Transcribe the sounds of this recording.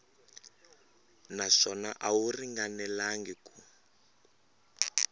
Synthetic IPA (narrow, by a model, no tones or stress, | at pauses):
naʂɔna̰ʔawuriŋɡanɛlaŋɡɛku